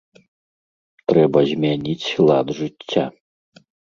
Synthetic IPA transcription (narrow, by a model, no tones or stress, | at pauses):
t̪ɾɛbɐzʲmʲanʲit͡sʲlˠad̪ʐɨt͡sʲːa